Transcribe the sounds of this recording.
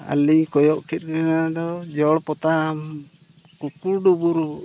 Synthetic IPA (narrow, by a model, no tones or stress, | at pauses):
a̰liɲkɔjɔʔkʰit̪̚ˀkɔkanad̪ɔd͡ʒɔɽpɔt̪am | kukuɾɖubuɾu